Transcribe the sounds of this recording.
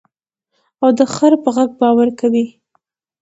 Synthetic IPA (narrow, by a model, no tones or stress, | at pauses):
awd̪əxaɾpəɣaɡ̚bɑwaɾkawi